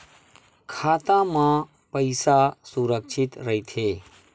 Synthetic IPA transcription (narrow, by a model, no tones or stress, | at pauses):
kʰaːt̪ãmã | pəɪsasuɾəkʃʰɪt̪ɾəɦit̪ʰeː